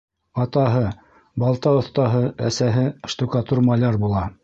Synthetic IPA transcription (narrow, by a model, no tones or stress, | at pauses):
ɑt̪ɑɦɤ | bɑlˠt̪ɑŏθt̪ɑɦɤæsæɦɘʃt̪ukɑt̪urmɑlʲɑɾbulˠɑ